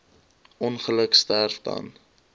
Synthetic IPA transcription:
ʔɔnχələkstærfdɐ̰n

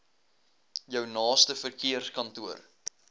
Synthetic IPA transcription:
jœwnɑːstəfərkiərskɐntuər

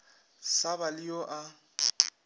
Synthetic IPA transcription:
sabalɪjɔʔa

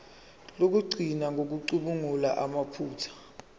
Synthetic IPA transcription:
lok̬uɡ͡ǀʱinaŋʱok̬uǀuɓuŋulaʔamapʰuːtʰḁ

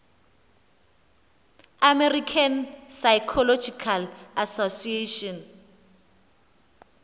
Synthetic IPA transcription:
amɛrikʰansajkʰɔlɔd͡ʒikʰalasosieʃɔn

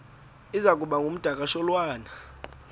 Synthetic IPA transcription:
izak̬ʼuɓaŋɡʱum̩d̥ʱakʼaʃɔlwaːna

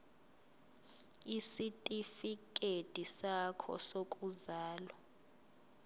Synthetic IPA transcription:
isitʼifik̬ʼed̥ʱisakʰɔ̰sokʼuzaːlɔ

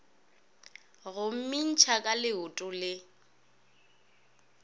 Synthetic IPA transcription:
ɣʊm̩min̩t͡ʃʰakʼalɪʊtʼʊlɪ

